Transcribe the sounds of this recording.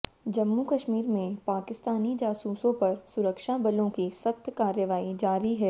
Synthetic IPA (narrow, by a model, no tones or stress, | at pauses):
d͡ʒɐmːukɐʃmiːɾmẽpaːkɪst̪aːnid͡ʒaːsuːsõpɐɾsʊɾəkʃabɐlõkisɐxt̪ʰkaːɾjəʋaːid͡ʒaːɾiɦɛː